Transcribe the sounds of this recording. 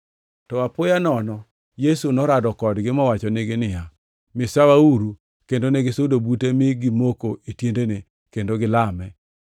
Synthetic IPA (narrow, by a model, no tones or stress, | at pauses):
ttɔapʊjanɔnɔ | jesunɔɾadɔkɔdɡɪmɔwat͡ʃɔneɡɪnɪja | mɪsawauɾu | kendonɛɡɪsodobutemɪɡɪmokoʔitjendene | kendoɡɪlamɛ